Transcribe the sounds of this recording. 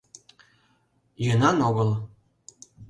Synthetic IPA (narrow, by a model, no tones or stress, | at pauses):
jɤ̆nɑnoɣɤ̆lˠ